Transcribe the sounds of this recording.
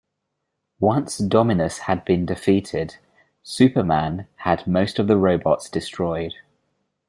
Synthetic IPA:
wʌ̃nsd̥ɒmɪnəshəd̚bĩndɪfiˑtʰɪd̥ | sʉˑpəmãnədməʊstəvðəɹəʊbɒtsd̥ɪstɹ̥ɔɪd̥

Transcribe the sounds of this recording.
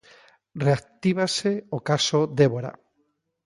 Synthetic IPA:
reak̚t̪iβ̞aseokasod̪eβoɾa̰

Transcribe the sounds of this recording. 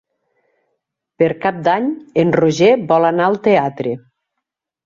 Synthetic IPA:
peɾkap̚d̪aɲenroʒebɔlanaəlˠt̪eat̪ɾe

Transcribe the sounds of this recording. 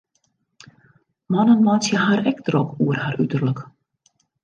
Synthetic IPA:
manənmasjəhaːɾɛk̚t̪ɾɔkʰuərhaːɾyt̪ərlək

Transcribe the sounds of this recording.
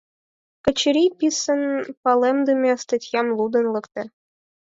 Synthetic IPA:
kə̆t͡ɕɘɾʲipʲisənpɑlemd̪ɨmʲɑst̪ɑtʲjɑmlˠud̪ɤ̆nlˠɤ̆kt̪ə̆

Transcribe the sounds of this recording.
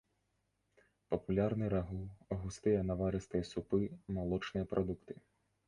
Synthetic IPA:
pɐpulʲarnɨɾaɦuɐɣust̪ɨjɐnɐvaɾɨst̪ɨjɐsupɨmalˠɔt͡ʂnɨjɐpɾʔɔd̪ukt̪ɨ̥

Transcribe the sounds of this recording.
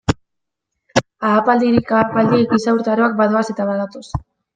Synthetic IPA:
aːpald̪iɾikaːpald̪iekisawɾt̪aɾo̞ak̚baðoase̞t̪aβaðat̪os

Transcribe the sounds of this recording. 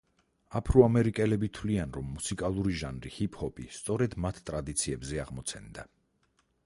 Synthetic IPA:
apʰɾuamɛɾikʼɛlɛbit̪ʰwlianɾɔmːusikʼalˠuɾiʒanɾihipʰhɔpʼist̪sʼɔɾɛd̪mat̪ʰt̪ʼɾad̪it̪sʰiɛbzɛaʁmɔt̪sʰɛnd̪a

